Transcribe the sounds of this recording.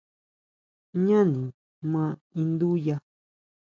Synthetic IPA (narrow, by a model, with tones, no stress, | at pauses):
ɲã˦nĩ˨ | mã˧˦i˧nd̪u˦ja˧